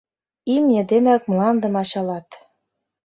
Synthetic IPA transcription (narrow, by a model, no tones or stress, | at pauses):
imjə̆d̪enɑk̚mlɑnd̪ɤ̆mɑɕɑlɑt̪